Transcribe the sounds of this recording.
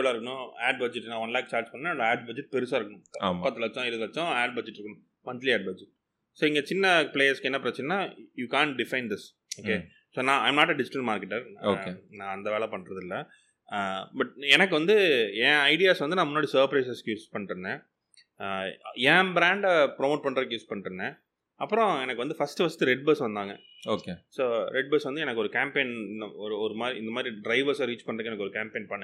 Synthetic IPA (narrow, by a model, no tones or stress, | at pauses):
ɭaːɾɯkːɐnʊ̃aːɖbɐd͡ʒɛʈːnãːʋɐnlaːk̚t͡ʃaːɾd͡ʒpɐɳnẽːd̪aːɖ̚bɐd͡ʒɛʈ̚pɛɾɯsaːɾɯkːɐɳʊ̃a̰ːmpɐt̪ːɯlɐt͡ʃːɔ̃ɪɾɯðɯlɐt͡ʃːɔ̃aːɖ̚bɐd͡ʒɛʈːɪɾɯkːɐɳʊ̃ | mɐnt̪liaːɖ̚bɐd͡ʒɛʈ̚ | soːɪŋɡɐt͡ʃɪnːɐpleːɐɾskɛnːɐpɾɐt͡ʃːɪnnːaːjuːkãːɳʈ̚ɖɪfɐɪnd̪ɪs | oːkeː | soːnãːɐ̰ɪmnaːʈɛɖɪd͡ʒɪʈɐlmaːɾkɛʈːɐɾoːkenãːɐnd̪ɐʋeːɭɛpɐɳːɾɐðɪlːɐ | bɐʈ̚ɛnɐk̬ːɯʋɐnd̪ɯɛ̃ːɐɪɖɪjaːsʋɐnd̪ɯnãːmʊnːaːɽisɐːɾpɾɐɪsɐskjuːspɐɳːɾɯnːẽː | ɛ̃ːbɾaːɳɖpɾɔmoːʈ̚pɐɳɾɐkːjuːspɐɳːɾɯnːẽː | ɐpːɯɾɔ̃ɛnɐkːɯʋɐnd̪ɯfɐsʈɯfɐsʈːɯɾɛɖ̚bɐsʋɐnd̪aːŋɡɐ | oːkesoːɾɛɖ̚bɐsʋɐnd̪ɯɛnɐkːɯɔɾɯkaːmpẽːnɔɾɯɔɾɯmaːd̪ɾiɪnd̪ɐmaːd̪ɾiɖɾɐɪʋɐɾsaɾiːt͡ʃpɐɳːɾɯkːɛnɐkːɯɔɾɯkaːmpeːnpɐɳːɐ̃